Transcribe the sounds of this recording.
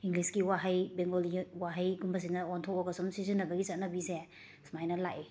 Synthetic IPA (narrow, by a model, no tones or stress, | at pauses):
iŋɡliskiwaɦajbeŋɡoliwaɦajɡumbɐs̬iŋnɐɔntʰɔk̚ɔkɐsumsizinːɐbɐɡisɐt̚nɐbise | smajnɐlaʔi